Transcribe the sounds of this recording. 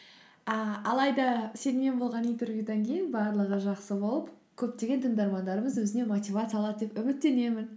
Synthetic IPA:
əɑlˠɑjd̪ɑse̞nme̞nbo̞lˠʁɑnit̪ʰʏɾɡʲed̪eŋkʲʰejɪnbɑɾlˠəʁəʒɑqsəbo̞lˠəp | kʲʰɵp̚t̪e̞ɡʲe̞nt̪ʰəŋd̪ɑɾmɑnd̪ɑɾəməzwɵzɪne̞mot̪ʲivat̪səjɑlˠɑd̪əd̪epʏmɪt̪ːe̞ne̞mɪn

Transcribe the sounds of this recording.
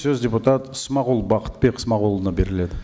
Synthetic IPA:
sɵzdʲeput̪at̪əsmɑqulˠbɑqə̥t̪̚beqsmɑqulˠənɑbe̞ɾɪle̞d̪ɪ

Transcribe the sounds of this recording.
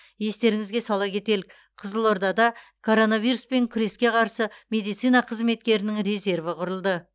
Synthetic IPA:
je̞st̪e̞ɾɪŋɪzɡʲe̞sɑlˠɑkʲʰe̞t̪e̞lɪk | qʰəzəlˠo̞ɾd̪ɑd̪ɑkʰo̞ɾo̞navijɾuspe̞ŋkʲʰʏɾe̞skʲe̞qʰɑɾsəmʲe̞d̪ijt̪sijnɑqʰəzme̞t̪̚kʲe̞ɾɪnɪŋɾe̞ze̞rvəqʰʊɾəlˠd̪ə

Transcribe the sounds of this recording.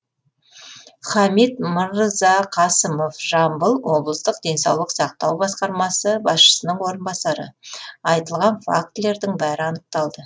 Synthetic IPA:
χɑmit̪məɾɾəzɑqʰɑsəmo̞fʒ̥ɑmbəlˠwo̞blˠəst̪əqd̪ʲe̞nsɑwlˠəqsɑq̚t̪ɑwbɑsqɑɾmɑsəbɑsʃə̥sənəɴwo̞ɾənbɑsɑɾə̰ɑjt̪əlˠʁɑnfa̰k̚t̪le̞ɾd̪ɪŋbæɾɪɑnəq̚t̪ɑlˠd̪ə

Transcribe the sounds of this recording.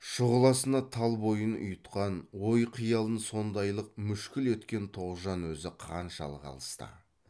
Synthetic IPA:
ʃʊʁəlˠɑsənɑt̪ʰɑlˠbo̞jənʊ̰jət̪qɑnwo̞jqʰijɑlˠənso̞nd̪ɑjlˠəq̚mʏʃkʲɪlwɵt̪kʲe̞nt̪ʰo̞ʁəzʒɑnwɵzɪqʰɑnʃɑ̰lˠəʁɑ̰lˠəst̪ə̰

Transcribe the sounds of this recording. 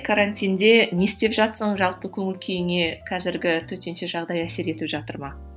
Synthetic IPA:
kʰaɾanʲt̪ʲijnd̪e̞ne̞st̪e̞pʒɑt̪səɴʒɑlˠpəkʲʰɵŋɪlkʲʰe̞jɪŋe̞kʰɑzɪɾɡʲɪt̪ʰɵt̪e̞nʃe̞ʒɑʁd̪ɑjæse̞ɾe̞t̪ɪpʒɑt̪əɾmɑ

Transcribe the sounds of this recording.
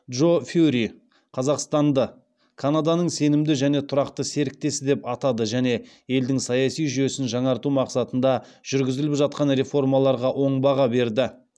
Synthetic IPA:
d̪ʒo̞fuɾi | qʰɑzɑqst̪ɑnd̪ə | kʰanad̪ɑnəɴse̞nɪmd̪ɪʒæne̞t̪ʰʊɾɑqt̪əse̞ɾɪk̚t̪e̞sɪd̪e̞pɑt̪ɑd̪əʒæne̞ | e̞ld̪ɪŋsɑjɑsijʒʏje̞sɪnʒɑɴɑɾt̪umɑqsɑt̪ənd̪ɑʒ̥ʏɾɡʲɪzɪlɪpʒɑt̪̚qɑnɾe̞fo̞rmɑlˠɑɾʁɑʔo̞ɴbɑʁɑbe̞ɾd̪ɪ

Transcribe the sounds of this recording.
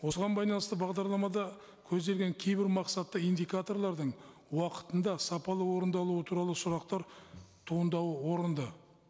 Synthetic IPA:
wo̞səʁɑnbɑjlˠɑnəst̪əbɑʁd̪ɑɾlˠɑmɑd̪ɑ | kʲʰɵzd̪e̞lɡʲe̞ŋkʲʰe̞jbɪɾmɑqsɑt̪ːəijnd̪ijkat̪o̞rlˠɑɾd̪əɴ | wɑqə̥t̪ənd̪ɑsɑpɑlˠəwo̞ɾənd̪ɑlˠuwət̪ʰuɾɑlˠəsʊɾɑqt̪ɑɾt̪ʰuənd̪ɑwəwo̞ɾənd̪ə

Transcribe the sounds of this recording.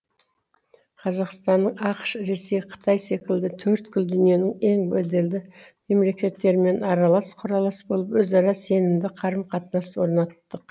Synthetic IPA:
qʰɑzɑqst̪ɑnːəɴɑqəʃɾe̞se̞jqʰə̥t̪ɑjse̞kʲɪld̪ɪt̪ʰɵɾt̪kʰʲʏld̪ʏnije̞nɪŋe̞ŋbed̪e̞ld̪ɪme̞mle̞kʲe̞t̪ːe̞ɾme̞nɑɾɑlˠɑsqʰʊɾɑlˠɑsbo̞lˠəpwɵzɑɾɑse̞nɪmd̪ɪqʰɑɾəmqʰɑt̪ənɑswo̞ɾnɑt̪ːəq

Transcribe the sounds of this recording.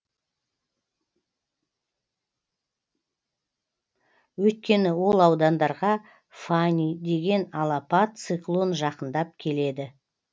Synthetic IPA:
wɵjt̪̚kʲe̞nɪwo̞lˠɑwd̪ɑnd̪ɑɾʁɑ | fanʲid̪e̞ɡʲe̞nɑlˠɑpɑt̪̚t̪sɨklˠonʒɑqənd̪ɑp̚kʲʰe̞le̞d̪ɪ

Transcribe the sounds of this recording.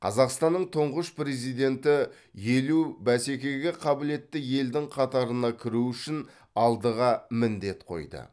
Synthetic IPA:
qʰɑ̰zɑqst̪ɑnːəɴt̪ʰoɴʁəʃpɾe̞zijd̪e̞nt̪ɪ | je̞lubæse̞kʲe̞ɡʲeqʰɑbɪle̞t̪ːɪje̞ld̪ɪŋqʰɑt̪ɑɾənɑkʲʰɪɾuʏʃɪn | ɑlˠd̪əʁɑmɪnd̪e̞t̪qʰo̞̰jd̪ə̰

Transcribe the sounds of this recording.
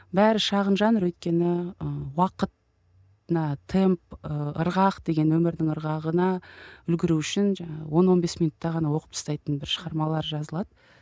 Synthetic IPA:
bæɾɪʃɑʁənʒɑnəɾwɵjt̪̚kʲe̞nɪəwɑqət̪̚ | nɑt̪ʰe̞mp̚əə̰ɾʁɑqd̪e̞ɡʲe̞nwɵmɪɾd̪ɪŋəɾʁɑʁənɑʏlɡʲɪɾuʏʃɪnʒɑɴɑəwo̞nwo̞nbe̞smijnut̪ːɑʁɑnɑwo̞qə̥p̚t̪ə̥st̪ɑjt̪ənbɪɾʃəʁɑɾmɑlˠɑɾʒɑzəlˠɑd̪ə

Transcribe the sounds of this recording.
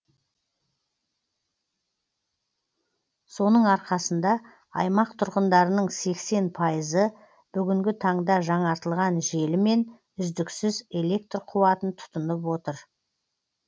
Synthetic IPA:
so̞nəɴɑɾqɑsənd̪ɑ | ɑ̰jmɑq̚t̪ʰʊɾʁənd̪ɑɾənəɴse̞kse̞npʰɑjəzə | b̥ʏɡʲɪŋɡʲɪt̪ʰɑɴd̪ɑʒɑɴɑɾt̪əlˠʁɑnʒe̞lɪme̞n | ʏzd̪ɪksɪze̞le̞k̚t̪rqʰʊwɑt̪ənt̪ʰʊ̥t̪ənəp̬wo̞t̪əɾ

